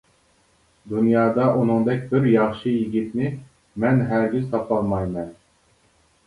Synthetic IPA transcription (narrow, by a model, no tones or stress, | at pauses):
d̪unjɑːd̪ɑʔunɨŋd̪ɛkʲbɪɾjɑχʃɨjiɡʲit̪nɪ | mɛnɦæɾɡʲyzt̪ʰɑpɑlˠmɑjmɛn